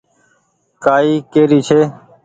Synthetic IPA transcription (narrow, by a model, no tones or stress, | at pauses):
kaːiːkeːɾiːt͡ʃʰeː